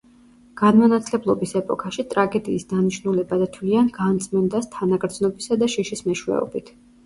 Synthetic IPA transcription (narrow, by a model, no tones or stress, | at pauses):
ɡ̥anmanat̪sʰlɛblˠɔbisɛpʼɔkʰaʃit̪ʼɾaɡɛd̪iːsd̪aniʃnulɛbad̪at̪ʰwlianɡant̪sʼmɛnd̪ast̪ʰanaɡɾd̪znɔbisad̪aʃiʃismɛʃwɛ̰ɔ̰bit̪ʰ